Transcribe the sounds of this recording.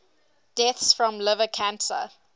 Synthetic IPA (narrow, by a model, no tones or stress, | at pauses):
d̥ɛθsfɹɔ̃mlɪvəkʰãnsə̰